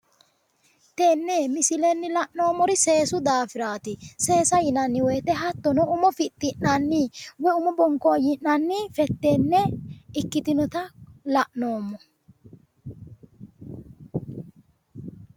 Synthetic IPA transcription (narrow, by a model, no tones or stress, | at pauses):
t̪e̞ːnːemɪsɪlɛnːɪlɐʔno̞ːmːɔɾɪse̞ːsʊd̪aːfɪɾaːt̪ɪse̞ːsɐjɪnɐnːɪweːt̪ːɛɦɐt̪ːɔnɔʊmɔfɪt̪ːɪnnanːɪwɛʊmɔbɔŋkojɪnːanːɪfɛt̪ːe̞ːnːɛɪkːɪt̪ɪnɔt̪ɐlɐʔno̞ːmːɔ